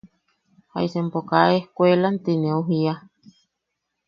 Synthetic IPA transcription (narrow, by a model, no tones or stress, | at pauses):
ha̰isempokaehkʷelant̪ineuɦia